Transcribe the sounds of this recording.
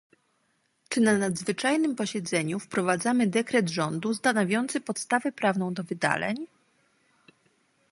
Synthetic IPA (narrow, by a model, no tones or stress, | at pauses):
t͡ʂɘnanad̪zvɘt͡ʂajnɘmpɔɕɛd̪zɛɲufpɾɔvad̪zamɘd̪ɛkɾɛd̪ʐɔnd̪ust̪anɔvʲjɔnt̪sɘpɔt̪st̪avɛpɾavnɔ̃w̃d̪ɔvɘd̪a̰lɛ̰ɲ